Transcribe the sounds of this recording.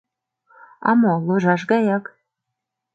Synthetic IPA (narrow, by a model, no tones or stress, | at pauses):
ɑ̰moloʒɑʃ̬ɣɑjɑk